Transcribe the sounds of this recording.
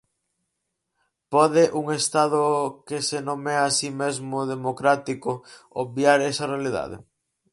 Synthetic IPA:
pɔðeʔuŋest̪að̞ʊkesenõmɛasimezmʊðemokɾat̪ikoobjaɾɛsɐrealiða̰ðḛ

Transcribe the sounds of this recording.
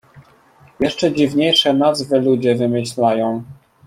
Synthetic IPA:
jɛʂt͡ʂɛd͡ʑivɲejʂɛnazvɘlud͡ʑɛvɘmɘɕlajɔ̃w̃

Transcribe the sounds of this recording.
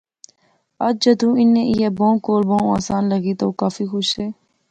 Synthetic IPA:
ɐd͡ʒ̚d͡ʒəd̪ũːɪnːẽʔijeːbõːkoːlbõũa̰ːsaːnləɡiːt̪o̰ːkaːfiːxʊʃeː

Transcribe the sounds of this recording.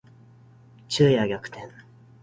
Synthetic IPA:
t͡ɕɨːjaɡʲakɯ̟̥t̪ʰẽ̞ŋ

